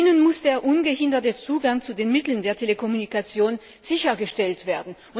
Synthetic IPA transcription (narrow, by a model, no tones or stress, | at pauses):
nənmʊsd̥eːɐʔʊnɡəhɪndɐtət͡suːɡaŋt͡sudeːnmɪtl̩n̩deːɐtʰeləkʰɔmunikat͡sjoːn | z̥ɪçɐɡəʃtɛltv̥eːɐdn̩ʔʊ